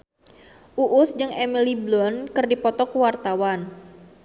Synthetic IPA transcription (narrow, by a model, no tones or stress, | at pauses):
ʔuʔʊsd͡ʒɨŋemiliblɔnkɨrdipɔt̪ɔkəwart̪awan